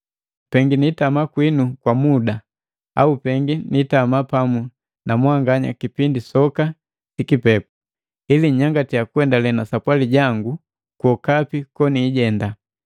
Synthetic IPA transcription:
pɛŋɡinitamakwinukwamuda | a̰upɛŋɡinitamapamu | namwaŋɡaɲa̰kipindisɔka | tikipɛp̚u̥ | iliɲaŋɡatiakwɛndalɛnasapwaliɟaŋɡu | kwɔkapikɔniːɟɛnda

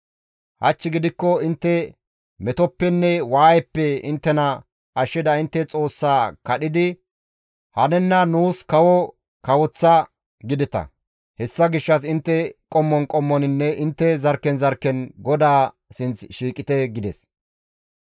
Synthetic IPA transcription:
hɐ̰t͡ʃːɪɡɪd̪ɪkːɔɪnt̪ːɛ | mɛt̪ɔpːɛnːɛwaːjɛpːɛɪnt̪ːɛnɐ | ɐʃːɪd̪ɐɪnt̪ːɛt͡sʼo̞ːsːaːkɐɗɪd̪ɪ | hɐnɛnːɐnuːskɐwɔ | kɐwɔt͡sːɐ | ɡɪd̪ɪt̪ɐ̰ | hɛsːɐɡɪʃːɐs̬ɪnt̪ːɛkʼɔmːɔnkʼɔmːɔnɪnːɛʔɪnt̪ːɛzɐɾkːɛnzɐɾkːɛnɡɔd̪aː | sɪnt͡sʃiːkʼɪt̪ɛɡɪd̪ɛs

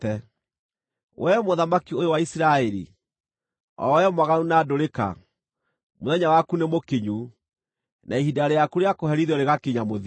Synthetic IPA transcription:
ɛ | wʔɛmoðamakiojowaisiɾaɛɾḭ | ɔ̰wɛmwaɣaunaːdoɾeka̰ | moðɛɲawakunemokeɲu | nʔaiɦidaɾejakuɾeakoɦɛɾiðɔɾeɣakeɲamoð

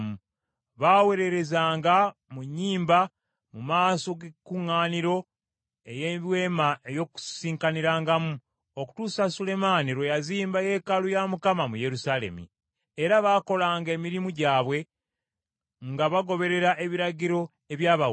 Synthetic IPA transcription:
mu | βaːwe̞ɾe̞ɾe̞zaːŋɡamuɲːiːmba | mumaːso̞ɡekːuŋːaːniɾo̞ | ejeβwe̞ːmaʔejo̞ku̥siːŋkaniɾaːŋɡamu | o̞ku̥tuːsasule̞maːniɾojaziːmbaje̞ːkalujamukamamuje̞ɾusale̞̰mḭː | ɾaβaːko̞laːŋɡe̞ːmiɾimuɟaːβwe̞ | ŋɡaβaɡo̞βe̞ɾe̞ɾaʔe̞βiɾaɟiɾo̞ | e̞βjaːβa

